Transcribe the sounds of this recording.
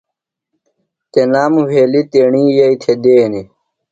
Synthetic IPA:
t̪enaːmuweːlit̪eːɳiːjɐit̪ʰed̪eːni

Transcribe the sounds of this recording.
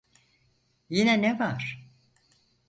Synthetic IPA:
jinɛnɛvaɾ̥

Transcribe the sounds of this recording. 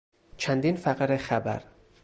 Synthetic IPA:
t͡ʃʰænd̪iːnfæqɾexæbæ̰ɾ

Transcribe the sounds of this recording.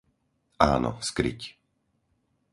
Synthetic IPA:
ʔa̰ːnɔ̰skɾḭc

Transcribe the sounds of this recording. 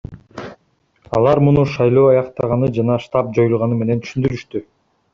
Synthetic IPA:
ɑlˠɑɾmunuʃɑjlˠo̞ːɑjɑqt̪ɑʁɑnɯd͡ʒɑnɑʃt̪ɑp̚d͡ʒo̞julˠʁɑnɯme̞ne̞nt̪ʰy̥ʃynd̪yɾyʃt̪y

